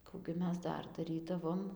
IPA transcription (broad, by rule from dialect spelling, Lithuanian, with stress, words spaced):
ˈkuː ɡʲɪ ˈmʲɛs ˈdɐr dɐˈrʲiːdɐʋoːm